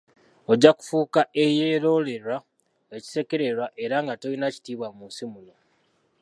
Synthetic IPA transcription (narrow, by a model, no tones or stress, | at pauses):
o̞ɟaku̥fuːkaʔe̞jeːɾo̞le̞ɾwa | eci̥se̞ke̞ɾeɾwaʔe̞ɾaŋɡatolinaci̥tiːβwamunsimulo